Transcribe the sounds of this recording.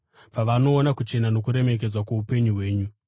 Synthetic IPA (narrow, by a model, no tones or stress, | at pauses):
paʋano̞ːnakut͡ʃe̞nano̞kuɾe̞me̞k̬ed͡zwakwaupe̞ɲuɦwe̞ːɲu